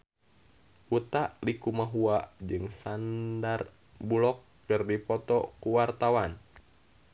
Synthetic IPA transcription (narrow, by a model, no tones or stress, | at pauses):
ut̪aʔlikumaɦuad͡ʒɨŋsandar | bulɔkːɨrdipɔt̪ɔkuwart̪awan